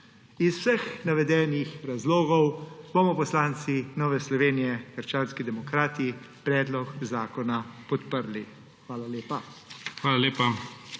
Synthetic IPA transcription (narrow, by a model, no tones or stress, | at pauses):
isw̥sɛxnaʋɛd̪ɛːnixɾazloːɡɔwbomɔpɔslaːnt̪sinɔːʋɛslɔʋeːnijɛɡəɾt͡ʃaːnskid̪ɛmɔkɾaːt̪i | pɾɛːd̪lɔkzaːkɔnapɔt̪pəɾli | xʋaːlaleːpaxʋaːlaleːpa